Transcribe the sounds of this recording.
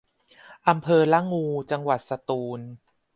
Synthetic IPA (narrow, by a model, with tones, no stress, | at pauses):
ʔa˧mpʰɤː˧la˦˥ŋːuː˧t͡ɕa˧ŋwa˨˩t̪̚sa˧t̪uː˧n